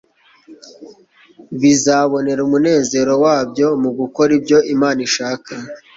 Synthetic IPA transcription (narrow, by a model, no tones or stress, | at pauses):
βizaβo̞ne̞ɾumune̞ːze̞ɾo̞waːbjo̞muɡuko̞ɾibɟo̞ʔimaːniʃaːka